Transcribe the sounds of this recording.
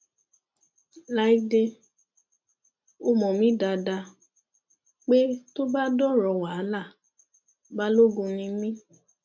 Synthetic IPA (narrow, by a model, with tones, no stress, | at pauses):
la˨˧˦i˦de˧ | o˧˦mɔ̃˨mĩ˦da˧da˧ | k͡pe˦to˦ba˦dɔ˦ɾɔ˧˨wa˨˦la˦˨ | ba˦lo˦ɡũ˧nĩ˧mĩ˦